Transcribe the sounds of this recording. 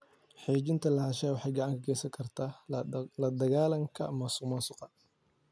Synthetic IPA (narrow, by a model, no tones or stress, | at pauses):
ħeːt͡ʃɪnt̪ʰɐlɑʕɑʃɛːwɑħɑjɡɑʕɑŋkʰɐkʰɛːsɐŋkʰɐrt̪ʰaːlɐd̪ɐɣaːlɐŋkʰɐ̰mɐːsʊmɐːsʊqɑ